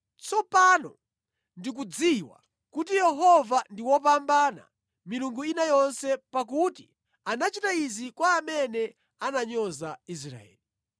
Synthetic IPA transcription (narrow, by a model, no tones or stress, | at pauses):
t͡sɔpanɔ | ndik̬ud͡ziwa̰ | kutijɛɦɔvandiwɔp̬ambana̰ | miluŋɡuinajɔnsɛpak̬uti | anat͡ʃitaizikwaːmɛnɛ | anaɲɔzais̬ɾa̰ɛ̰ːli